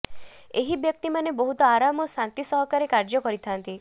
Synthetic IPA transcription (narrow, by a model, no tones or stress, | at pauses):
eɦibjɔk̚t̪imanebɔɦut̪ɔaɾamɔsant̪isɔɦɔkaɾekaɾd͡ʒɔkɔɾit̪ʰant̪i